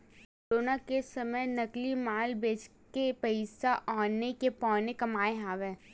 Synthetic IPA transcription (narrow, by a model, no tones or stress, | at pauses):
koɾoːnakesɐməjnɐklimaːlbeːd͡ʒkepɐɪsaʔɔːnekepɔ̃ːnekɐmaːeɦaːʋɛ̃ː